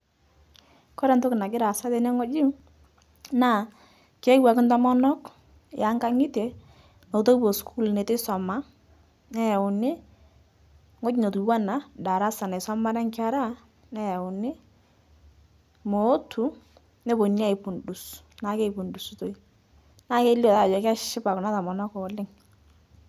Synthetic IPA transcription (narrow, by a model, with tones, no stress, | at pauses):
kɔ˦ɾɛ˨nto˦kna˨kɪ˦ɾa˨sa˦tɛ˨nɛ˦ŋo˦d͡ʒɪ˦ | na˦˨ | kɛ˦wa˨kɪ˦ntɔ˦mɔ˦nɔ˦k | ja˨˦ŋka˦ŋɪ˦te˨ | no˨to˦bo˨skʰu˦lnɛ˨tɛ˦sɔ˨ma˦ | nɛ˦ja˨ʊ˨nɪ˦ | ŋo˦d͡ʒi˦no˨tu˨wa˦na˨da˨ɾa˦sa˨nɛ˨sɔ˦ma˦ɾa˦ŋka˦ɾa˦ | nɛ˦ja˨ʊ˨nɪ˦ | mo˨˦tʰu˦ | nɛ˦bo˨ni˦a˦ɪ˨pʊ˨ndu˨s | na˨˦ke˦˨pu˨ndu˨sto˦i˦ | na˦ke˦li˦ɔ˨ta˦˨d͡ʒɔ˨ka˦ʃʃɪ˦pa˨kʊ˨na˦tɔ˨mɔ˨nɔ˦kɔ˨lɪ˦ŋ